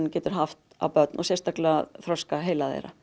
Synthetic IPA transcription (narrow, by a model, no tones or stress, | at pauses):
cɛːt̪ʏɾ̥ɦaft̪a̰wpœt̪nɔsɛst̪aklɛaθɾœskaɦeːjlaðḛjɾa̰